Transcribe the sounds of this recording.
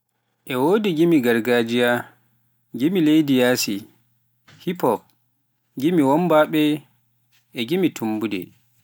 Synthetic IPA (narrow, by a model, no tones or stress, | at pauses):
ʔɛwodiɡimiɡaɾɡad͡ʒija | ɡimilejdijasi | hipɔp̚ | ɡimiwɔmbaɓɛ | ʔɛɡimitʰumbudɛ̰